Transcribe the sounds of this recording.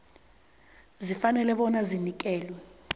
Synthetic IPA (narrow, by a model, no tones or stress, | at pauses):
zifanɛlɛɓɔnazinik̬ɛːlwɛ